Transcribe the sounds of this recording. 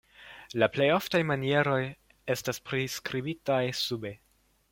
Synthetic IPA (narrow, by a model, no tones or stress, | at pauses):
laplejoftajmanie̞ɾo̞j | e̞staspɾiskɾibitajsube